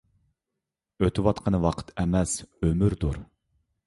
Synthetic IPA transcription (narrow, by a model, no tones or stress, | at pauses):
øt̪ʰɪwɑt̪qʰɑnɨwɑqʰə̥t̪ʰɛmɛsømyɾd̪uɾ